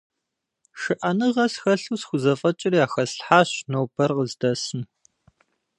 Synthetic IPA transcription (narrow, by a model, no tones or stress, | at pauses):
ʃɨʔɐnɨʁɐsxɐɬuːsxʷʊzɐfʼɐt͡ʃʼɪrijaːxɐsɬħaːɕnoːbɐrqəzdɐsɨm